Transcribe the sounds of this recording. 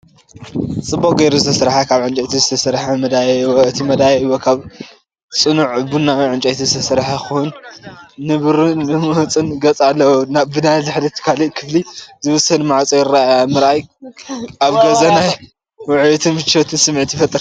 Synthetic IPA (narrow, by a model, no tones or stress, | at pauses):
t͡sʼɨbːokʼɡejɾuzɨt̪ʰɐsɾħakʰaβʕɨnt͡ʃʼɐt̪ʰizɨt̪ʰɐsɾħamɐd̪ajwoɨt̪ʰimɐd̪ajeɨwokʰaβ | t͡sʼɨnuʕbunːaiʕɨnt͡ʃʼɐt̪ʰizɨt̪ʰɐsɨɾħaxuunː | ɨβɨɾɨnmɨmɐwt͡sʼɨnɡɐt͡sʼalːɐwnaβbɨdazaħd̪ɐt̪ʰːɨ̥kʰaliʔkʰɨflizɨβɨsɐnmaʕat͡sʼojɪɾaajamɨɾʔaj | aβɡɐzɐnaj | wʊʕjot̪ʰɨnhɨt͡ʃːot̪ʰɨnsɨmʕɨt̪ifɐt̪ʼɨɾ